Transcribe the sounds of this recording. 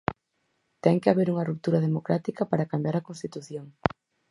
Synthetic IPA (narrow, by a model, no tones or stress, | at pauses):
t̪ɛŋkeaβeɾuŋɐrup̚t̪uɾɐð̞emokɾat̪ikɐpaɾakambjaɾɐkonst̪it̪uθjoŋ